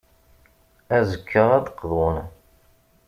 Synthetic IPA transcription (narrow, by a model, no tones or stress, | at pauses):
æzəkʰːəʁæd̪əqːðʊn